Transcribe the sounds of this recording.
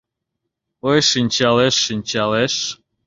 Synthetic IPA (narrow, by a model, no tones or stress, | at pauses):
ojʃinʲt͡ɕɑleʃːinʲt͡ɕɑleʃ